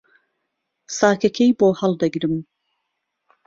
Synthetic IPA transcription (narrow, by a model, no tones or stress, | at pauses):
saːkɐkʰejboːhɐlˠd̪ɐɡɾɨm